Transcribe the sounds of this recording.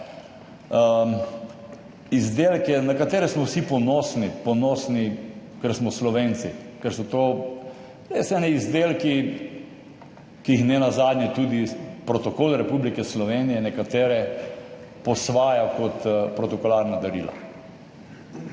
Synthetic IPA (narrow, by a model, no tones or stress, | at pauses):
izd̪elkɛnakat̪eːɾɛsmɔwsipɔnɔsnipɔnɔsnikɛɾsmɔslɔʋeːnsikɛɾsɔt̪oː | ejsɛɛːnɛizd̪elki | kiixnɛnazad̪njɛt̪ud̪ipɾɔt̪ɔkoːlɾɛpublikɛslɔʋeːnijɛnɛkat̪eːɾɛ | pɔsʋaːjakɔt̪pɾɔt̪ɔkɔlaɾnad̪ɐɾḭːla̰